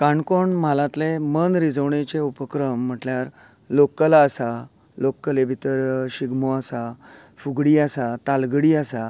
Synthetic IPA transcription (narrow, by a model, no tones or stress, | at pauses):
kãɳkoɳm̤alãt̪lemənɾid͡zəwɳẽt͡seupəkɾəm̤ːəʈljaɾ | lokːəlaːsa | lokːəlebʱit̪əɾɕiɡmoasa | fuɡɽiːasat̪alɡɽiːasa